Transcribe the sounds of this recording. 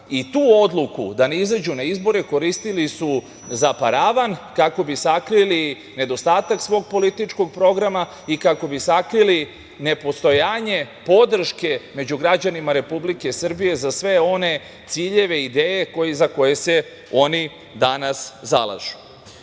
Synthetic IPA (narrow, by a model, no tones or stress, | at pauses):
it̪uːo̞d̪lˠukṵd̪anizad͡ʑunaizbo̞ɾeko̞ɾist̪ilisu | zapaɾaʋankako̞bisakɾili | ned̪o̞st̪aːt̪aksʋo̞ːɡ̚po̞lit̪it͡ʃko̞ɡ̚pɾo̞ɡɾama | ikako̞bisakɾili | ne̞po̞st̪o̞jaːɲe̞ | po̞d̪r̩ʃke̞me̞d͡ʑuɡɾad͡ʑanimaɾe̞publike̞sr̩bije̞zasʋe̞o̞ne̞ | t̪siːʎe̞ʋe̞id̪eːje̞kozako̞je̞se̞ | o̞ni | d̪anasza̰lˠa̰ʒu̥